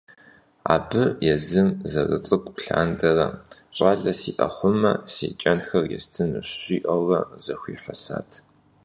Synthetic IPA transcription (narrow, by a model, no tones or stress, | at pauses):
a̰ːbɨjɛzɨmzɐrɨ̰t͡sʼɨkʷʼpɬaːndɐrɐɕʼaːɮɐsiːʔɐχʷʊmɐsḭːt͡ʃʼɐnxɐrjɛstʰɨnɨɕɕʼiːʔɐʁɐzɐxʷiːħɐsa̰ːtʰ